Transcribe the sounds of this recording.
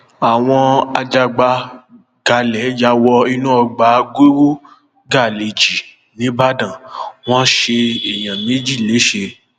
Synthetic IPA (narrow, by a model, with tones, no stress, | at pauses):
a˨w̃ɔ̃˧a˧d͡ʒa˧ɡ͡ba˧ | ɡ̥a˨lɛ˨˦d͡ʒa˧˦wɔ˧i˧nũ˦ɔ˧ɡ͡ba˨˦ɡo˦ɾo˦ | ɡa˦˨le˨d͡ʒi˨ | nĩ˨˦ba˦dã˦˨w̃ɔ̃˦ʃe˧e˨j̃ã˨mẽ˦d͡ʒi˦˨le˨˦ʃe˧